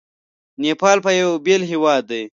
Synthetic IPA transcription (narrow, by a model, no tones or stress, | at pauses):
nepɑːlpəjawbelɦiwɑːd̪ːaj